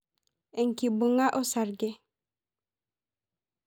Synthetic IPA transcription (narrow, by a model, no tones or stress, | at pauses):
eŋkibuŋaʔosaɾɡe